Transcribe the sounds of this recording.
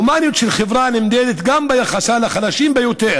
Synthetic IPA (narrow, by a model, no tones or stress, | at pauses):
maːnjut̪ʃelχevɾanimd̪ed̪et̪ɡambajaχasalaχalaʃiːmbejot̪eɾ